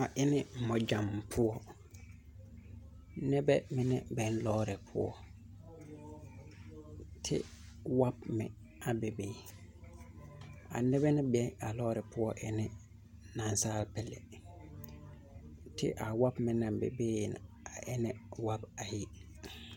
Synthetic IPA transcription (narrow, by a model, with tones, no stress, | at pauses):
a˨ʔɪ˦nɪ̃˦m̩˨mɔ̃˨d͡ʒã˨mpʰʊ˦ɔ˦ | nɛ˦bɛ˦mɪ̃˦nɪ̃˦bɛ̃˨nlɔː˦ɾɪ˨pʰʊ̰˦ɔ̰˦ | tʰɪ̰˦ | wa˦bmɪ̰̃˨ | a˨be˨beː˦ | a̰˨nɛ˦bɛ˦nɪ̃˦bɛ̃˦na˨lɔː˦ɾɪ˨pʰʊ˦ɔ˦ʔɛ˦nɪ̃˦ | nã˨nsaː˦lpʰɛ˨lɛ̰˨ | tʰɪ̰˦ʔa˨wa˦bmɪ̃˨nã˨bḛ˨beː˦˨nã̰˨ | a˨ʔɪ˦nɪ̃˦wa˦ba˨ji˦